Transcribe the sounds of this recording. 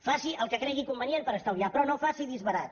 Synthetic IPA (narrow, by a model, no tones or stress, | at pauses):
fasiʔəlˠkəkɾɛɣ̞ikumbənjempəɾəst̪əwliapɾɔnofasiðizβəɾat̪